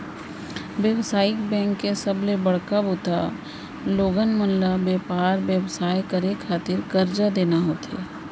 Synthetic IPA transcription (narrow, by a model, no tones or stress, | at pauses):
ʋjəwsaːɪkbɛ̃ːŋkːesɐblebɐɽ̤kaboːt̪a | loːɡənmənlabjeːpaːɾʋjəwsaːjkəɾekʰaːt̪ɪɾkɐɾd͡ʒad̪eːnaɦoːt̪eː